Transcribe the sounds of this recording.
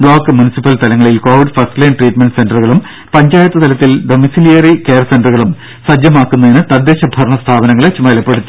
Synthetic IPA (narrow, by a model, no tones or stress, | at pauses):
bɭoːkːɨmunisipːɐlst̪ɐlɐŋːɐɭilko̞ːʋiɖfɐrsʈleːnʈriːʈmeɳɖse̞nɖɐrɣɐɭum | pɐɲd͡ʑaːjɐt̪ːɐt̪ʰɐlɐt̪ːilɖo̞misilijɐrike̞ːrsenɖrɣɐɭum | sɐd͡ʑjɐmaːkːunːɐðinɨt̪ɐd̪ːeːɕɐbʱɐrɳɐst̪ʰaːbɐnɐŋːɐɭet͡ɕːumɐlɐpːe̞ɽut̪ːi̥